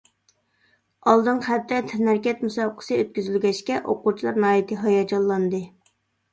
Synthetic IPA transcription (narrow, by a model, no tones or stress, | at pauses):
ɑlˠd̪ɨŋχæt̪ːɛt̪ʰnæɾkʲɛt̪musɑbqʰə̥sɨøt̪̚kʲyzylɡʲɛʃkʲɛʔo̰qut͡ʃʰilˠɑɾnɑɦɑːjit̪ʰɨɦɑjɑd͡ʒɑlˠːɑnd̪ɨ